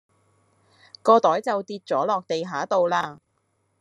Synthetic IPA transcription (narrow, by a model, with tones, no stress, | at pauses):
kɔː˧t̪ɔː˨˥jt͡sɐ˨wt̪iː˧t̚t͡sɔː˨˥lɔː˨k̚t̪e˨jɦaː˨˥t̪o˨˧wlaː˧